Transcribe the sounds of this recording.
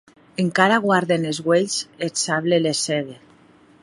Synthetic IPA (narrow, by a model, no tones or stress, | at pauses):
eŋkaɾaɣwaɾðenezɣweʎsesaβleleseðe